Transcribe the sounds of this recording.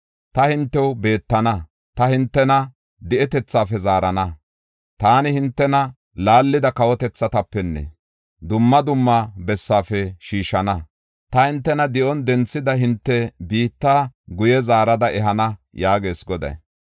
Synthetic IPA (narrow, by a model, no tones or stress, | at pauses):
t̪ɐhɪnt̪ːɛwbe̞ːt̪ːɐnɐ | t̪ɐhɪnt̪ːɛnɐ | d̪ɪʔɛt̪ɛt͡sːaːfɛzaːɾɐnɐ | t̪aːnɪhɪnt̪ːɛnɐ | laːlːɪd̪ɐkɐwɔt̪ɛt͡sːɐt̪ɐpːɛnːɛ̰ | d̪ʊmːɐd̪ʊmːabɛsːaːfɛʃiːʃɐnɐ | t̪ɐhɪnt̪ːɛnɐd̪ɪʔɔnd̪ɛnt͡sːɪd̪ɐɦɪnt̪ːɛbiːt̪ːaːɡʊjɛzaːɾɐd̪ɐɛɦɐnɐjaːɡe̞ːsɡɔd̪ɐ̰j